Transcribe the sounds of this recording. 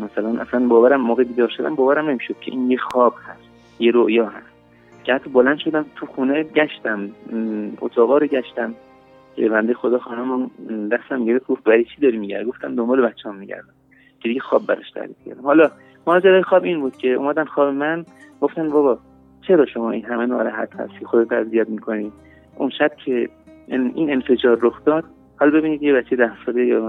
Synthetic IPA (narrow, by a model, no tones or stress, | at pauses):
mæsælænʔæ̰slænbɒːvæɾæmːoːɣebiːd̪ɒːɾʃod̪æ̰mbɒːvæɾæmnemiʃod̪̥̚cʰe̞ʔiːnjexɒːb̥hæst̪ | jeɾoʔjɒːɦæst̪̚ | cʰehæt̪ʰːɒbolænd̪ʃo̞d̪æmt̪ʰuxuːneɟæʃt̪æm | o̰t̪ʰɒːɣɒːɾoɟʲæʃt̪æm | cʰebænd̪ejexod̪ɒːxɒːnæmund̪æst̪æmɟeɾeft̪̚ɡoft̪væɾit͡ʃʰid̪ɒːɾimiɟæ̰ɾd̪ɡoft̪æmd̪ombɒːlebætt͡ʃːehɔmːiɟæ̰ɾd̪æn | cʰeiɡɟexɒːbbæɾɒ̰ʃt̪ʰæ̰ɾḭfkʰæ̰ɾd̪æmhɒːlɒ | mɒːd͡ʒæɾɒːjexɒːbinbuːd̪̥cʰe̞ṵːmæd̪ænxɒːbe̞mænɡ̥o̞ft̪ænvɒːβɒ | t͡ʃʰe̞ɾɒːʃo̞mɒːʔinɦæmenɒ̰ːɾæɦæ̰t̪hæ̰st̪i̥xod̪et̪æ̰zijæt̪mikʰo̞ni | ʔunʃæb̥cʰe̞ | ine̞nfe̞d͡ʒɒːɾːoxd̪ɒːd̪̥̚ | hɒːlbe̞biːnid̪jebæt͡ʃʰːejd̪æhsɒːlejɒ